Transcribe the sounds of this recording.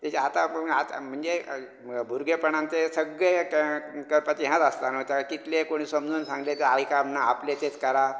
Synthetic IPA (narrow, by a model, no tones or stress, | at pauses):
t̪jat͡ɕeat̪aat̪m̤əɳd͡ze | bʱuɾɡepəɳãnt̪esəɡɭe | kəɾpat͡ɕiɦãt̪ast̪anət̪jakit̪lekoɽ̃iːsəmd͡zuːnsãŋɡlet̪eajkamnaːplet̪et͡skəɾa